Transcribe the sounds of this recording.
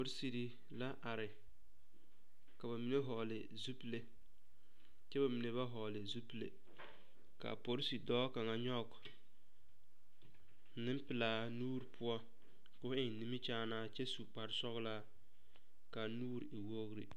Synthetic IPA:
po˨ɾsi˨ɾi˨ | la˦ʔa˨ɾɪ˨ | ka˨ba˨mi˨ne˦ɦɔ˨lɪ˨ | zu˦ple˦ | t͡ʃɛ˦ba˨mi˨ne˨βa˦ɦɔ˨lɪ˨zu˦plḛ˨ | ka̰˨po˦ɾsi˨dɔː˦ka˨ŋa˨ɲɔ˦˨k | nɪ˦m˦pɪ˨laː˨ | nuː˦ɾi˨pʰʊ˦ɔ˦ | kʊ˦ɪ˨ŋ˨ni˦mi˦t͡ʃaː˦naː˦t͡ʃɛ˦su˨k͡pa˨ɾsɔ˦ɣla˦ | ka˨nuː˦ɾi˨ɪ˨wo˦ɣɾi˨

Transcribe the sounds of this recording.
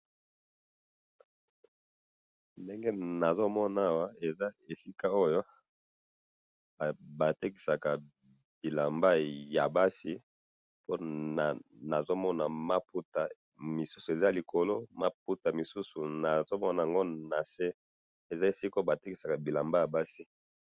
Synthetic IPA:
nde˦ŋɡe˦na˨zo˦mɔ˦na˨a˦wa˦e˨za˦e˨si˦ka˦o˦jo˦˨ | ba˨te˦ki̥˨sa˨ka˨ | b̥i˨la˨mba˦ja˨ba˦si˦ | po˦na˨na˨zo˦mɔ˦na˨ma˦pu˦ta˨ | mi˨su˦su˨e˨za˦˨li˨kʰo˨lo˦ma˦p̚u˦ta˨mi˨su˦su˨na˨zo˦mɔ˦na˨a˨ŋɡo˦na˨se˦ | e˨za˦e˨si˦ko˦ba˨te˦ki˦sa˨ka˨bi˨la˨mba˦ja˨ba˦si˦

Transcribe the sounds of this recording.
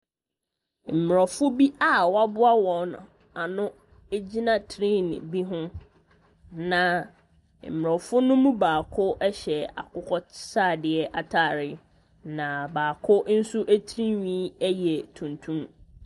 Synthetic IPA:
m̩˨m˨ɾɔ˨fʊ˦bi˦a˦wɔ˦a˦bʊ˦a˦wɔ̃˨nʊ̰̃˨ | a˨nʊ̃˦ | e˦d͡ʑi˦nã˨tʰɾĩ˦nɪ̰̃˨bi˦ɦʊ̃˦ | nã˨ | m̩˨m˨ɾɔ˨fʊ˦nʊ̃˦mũ˦baː˨kʰʊ˦ɛ˦ɕɛ˨a̰˨kʊ˦kʰɔ˦saː˦˨dɪ˨ɛ˨ʔa˨tʰa˦˨ɾɪ˦ | nã˨baː˨kʰʊ˦n̩˦sʊ˦ʔæ˦tʰɾi˦ɲĩ˦æ˦jɛ˨tʰũ˨ntʰũ˦m

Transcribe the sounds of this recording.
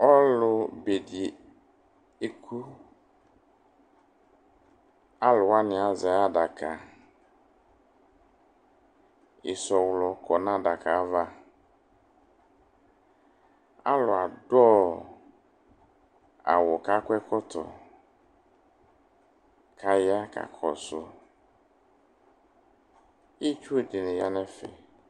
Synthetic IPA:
ɔ˦lʊ˨be˨di˨ | e˦kʰu˦ | a˦lʊ˨wa˦nɪ̃˨a˨za˨a˦da˨kʰa˨ | ɪ˨sɔ˨wlɔ˨kʰɔ˨nã˦da˨ka˨˦va˦ | a̰˦lʊ˨a˨dɔː˦ | a̰˨wɔ˨ka˦kwɛ˦kʰɔ˦t̪ʰɔ̰˨ | kʰa˦ja˦ka̰˨kʰɔ̰˨sʊ˨ | i˦t͡ʃu˦˨di˨nɪ̃˨ja˦nɛ̃˦fɛ̰˨

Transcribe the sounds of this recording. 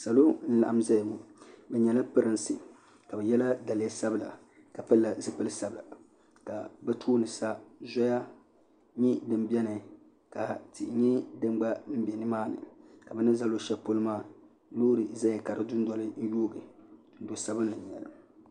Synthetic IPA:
sa˨lo˦n̩˦la˨ʔa˦mza˦jmu˨bɛ˨ɲɛ˨la˦pɨ˦ɾɨ˨˦nsɨ̰˨ | ka˨bɛ˨jɛ˦la˦da˨lɪ˨˦a˦sa˦bɨ˦la̰˨ | ka˨pɨ˦lːa˨zɨ˦pɨ˦lɨ˦sa˨bɨ˨la̰˨ | ka̰˨bɛ˦tʰuː˦nɨ˨sa˦zɔ˦ja˦ | ɲi˦dɨ˨m˦bɛ˦nɨ˨ | ka˨ti˨ʔɲɛ˦dɨ˦m˦ɡ͡ba˦m̩˦bɛ˨nɨ˦maː˦nɨ̰˨ka˨bɛ˨nɨ˦za˦lo˦ʃɛ˦po˦lɨ˦maː˦˨ | loː˦ɾɨ˨za˦ja˨ka˨ɾɨ˨dʊ˦n̩˦dɔ˨lɨ˦n̩˦joː˦ɡɨ˨ | n̩˦do˨sa˦bɨ˦n˦lɨ˨ɲ˨ɛ˨lɨ̰˨

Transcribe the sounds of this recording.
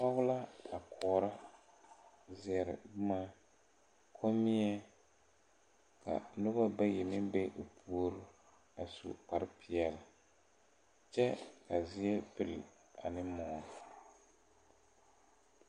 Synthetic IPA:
pa˦ɣʊ˦la˦a˨kʰɔː˨ɾa˦ | zɪ˨ɛ˨ɾɪ̰˨bmaː˦ | kʰo˦mi˦ɛ˦ | ka̰˨nʊ˦ba˦ba˦jɛ˨nɪ˦bɛ˦ʔo˨pʰu˦o˦ɾɨ˦ | a˨sṵ˨pa˨ɾɪ˦pi˨ɛ˨lɪ˨ | t͡ʃɛ˦ka˨zɪ˦ɛ˦pɪ˨l | a˨nɪ˦mɔ˨

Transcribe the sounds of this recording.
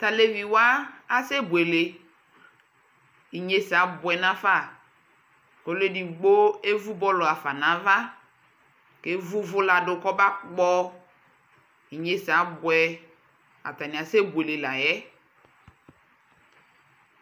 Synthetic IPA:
ta˨le˦vi˨wa˦a˦se˦bu˨e˨le˨ | i˨ɲe˨sa˨˦bʊ˨ɛ˨nã˦fa˦˨ | ko˨˦le˦di˨ɡ͡bo˦e˦vu˦bɔ˦lo˨a˨fa˨nã˨˦va˦ | ke˦vu˦vʊ˦la˨dʊ˨kɔ˦ba˦k͡pɔ˦ | i˨ɲe˨sa˨˦bʊ˨ɛ˨ | a̰˨ta˨nĩ˨a˨se˦bu˨e˨le˨la˨jɛ˦

